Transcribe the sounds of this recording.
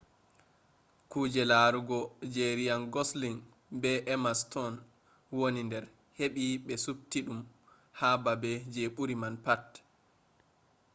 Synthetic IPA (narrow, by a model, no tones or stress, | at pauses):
kud͡ʒɛlaɾuɡɔd͡ʒeɾijanɡɔsliŋ | bɛʔɛmastɔn | wonindɛɾ | heɓiɓɛsub̚tiɗum | hababɛd͡ʒeɓuɾimanpat